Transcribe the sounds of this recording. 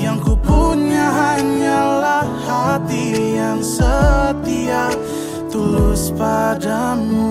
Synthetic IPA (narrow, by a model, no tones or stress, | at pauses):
jaŋkupuɲaɦaɲalahhat̪ijaŋsət̪iaʔ | t̪ulʊspadamu